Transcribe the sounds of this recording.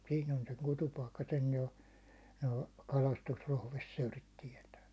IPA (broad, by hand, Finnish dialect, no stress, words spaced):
siːn on seŋ kutupɑikːɑ sen jo noː kɑlɑstusrohʋesːøːrit tiɛtæː